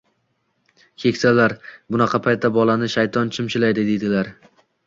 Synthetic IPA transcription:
kʲʰe̞kʲsalaɾbʊnɑqʰɑpʰajt̪ːabɒlanɪʃajt̪ʰɒnt͡ʃʰɪmt͡ʃɪlajd̪ɪd̪e̞d̪ɪlaɾ

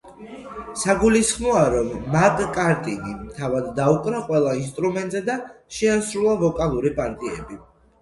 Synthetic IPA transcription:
saɡulisχmɔaɾɔmːakʼkʼaɾt̪ʼinimt̪ʰavad̪ːaukʼnaqʼwɛlˠains̬t̪ʼɾumɛnt̪ʼzɛd̪aʃɛasɾulˠavɔkʼalˠuɾipʼaɾt̪ʼiɛ̰bi

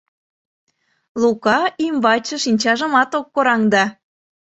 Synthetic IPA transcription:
lukɑʔimbɑt͡ɕə̆ʃinʲt͡ɕɑʒə̆mɑt̪okːoɾɑŋd̪ɑ

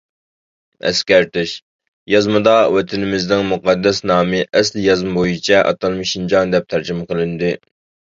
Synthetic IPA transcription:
ɛ̰skʲæɾt̪ɪʃ | jɑzmɨd̪ɑwɛt̪ʰɪnɪmɪznɪŋmuqʰɑd̪ːɛsnɑːmɪʔɛsljɑzmɨbojit͡ʃʰɛʔɑ̰t̪ʰɑlˠmɨʃind͡ʒɑnd̪ɛp̚t̪ʰæɾd͡ʒɪmɨqəlˠɪnd̪ɪ

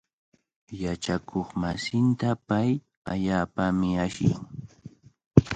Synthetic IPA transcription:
jat͡ʃakʰoχmasɪnt̪apaj | aʎaːpamɪaʃɪ̰ŋ

